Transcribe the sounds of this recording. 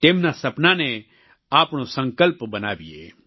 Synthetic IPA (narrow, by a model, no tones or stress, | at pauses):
t̪eːmnasɐpnanɛ̃ | aːpɽ̃osɐ̃ŋkəlpbɐnaːbiḛː